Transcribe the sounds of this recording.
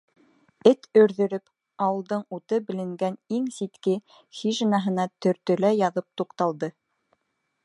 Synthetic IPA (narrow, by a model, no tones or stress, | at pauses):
ɘt̪ʰɵ̆ɾðɵ̆ɾɵp | ɑwɤ̆lˠd̪ɤɴut̪ɤbɘ̆lɘ̆ŋɡæniŋsit̪kɘ | xiʒɘ̆nɑɦɤ̆nɑt̪ɵ̆ɾt̪ɵ̆læjɑðɤp̚t̪uqt̪ɑlˠd̪ɤ